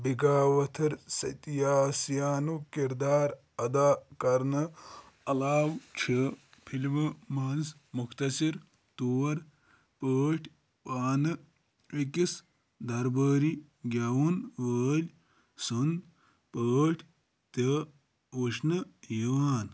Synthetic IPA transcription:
biɡaːʋɐt̪ʰɐɾsɐ̰t̪ijaːsjaːnukiɾd̪aːɾ | ɐd̪aːkɐɾnɐ | ɐlaːwt͡ʃʰəpʰilmɐmaːnz | mukt̪ɐsiɾ | t̪uːɐɾ | pəːʈʰ | paːnɐ | ikis | d̪ɐɾbəːɾi | ɡʲaːwunʋəːlʲ | sun | pəːʈʰ | t̪ɐ | oʂnɐjiʋaːn

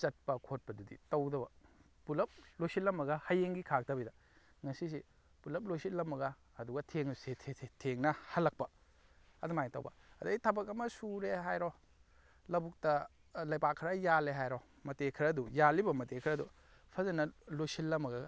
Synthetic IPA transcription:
t͡ʃɐt̚pɐkʰot̚pɐdudḭtɐwdɐbɐ | pulɐp̚lojsitlːɐmːɐɡɐhɐjeŋɡikʰak̚tɐbidɐ | ŋɐsis̬i | pulɐp̚lojsitlɐmːɐɡɐː | duɡɐtʰeŋsetʰetʰeŋnɐhɐlːɐk̚pɐ | ɐdumajŋtɐ̰wbɐ̰ɐdɐjtʰɐbɐk̬ɐmɐsuɾeɦajɾɔ | lɐbuk̚tɐ | lɐjpakʰɾɐjaleɦajɾo | mɐtekʰɾɐdujalibɐmɐtekʰɾɐdu | pʰɐzɐnɐlojsillːɐmɐɡɐ

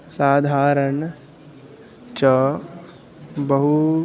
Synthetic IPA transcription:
saːd̪ʱaːɾɐɳ | t͡ʃɐ | bɐɦu

